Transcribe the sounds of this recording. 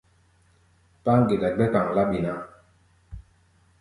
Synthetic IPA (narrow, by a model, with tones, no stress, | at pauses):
pa˦ŋɡi˨da˨ɡ͡bɛ˦ka˨ŋ˨la˦ɓi˨na˦˨